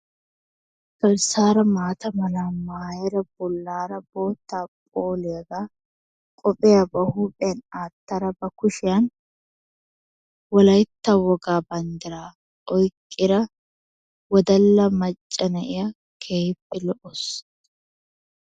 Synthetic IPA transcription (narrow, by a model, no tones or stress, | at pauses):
kɐɾsaːɾɐmaːt̪ɐmɐnaːmːaːjɛɾɐb̥ʊlːaːɾɐbo̞ːt̪ːaːpʼoːleːɡa | kʼɔpʼɛjɐbɐhuːpʼɛjɐnaːt̪ːɐɾɐbɐkʊʃɪjɐn | wɔlɐjt̪ːawɔɡaːbɐnd̪ɪɾaː | ɔjkʼːɪɾɐ | wɔd̪ɐlːɐmɐt͡ʃʼːɐnɐʔɪjɐ | kʰeːjɪpːɪlɔʔɔs